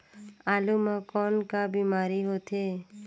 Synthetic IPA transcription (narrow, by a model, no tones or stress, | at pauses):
alumãkɔːnkabimaːɾiɦot̪ʰe